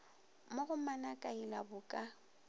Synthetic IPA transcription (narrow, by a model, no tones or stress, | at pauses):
moɣʊmanakʼailabʊkʼa